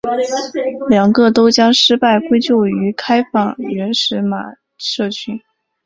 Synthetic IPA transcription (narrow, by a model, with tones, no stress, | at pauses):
ljɑ˨˩ŋɡɤ˥˧t̪o˥ʊt͡ɕjɑ˥ŋʂɻ̩˥pa˥˩ɪkwe˥ɪt͡ɕjo˥˩ʊy˧˥kʰa˥ɪfɑ˥˩ŋɥɛ˧˥nʂɻ̩˧˥ma̰˨˩ | ʂɤ˥˩t͡ɕʰy˥n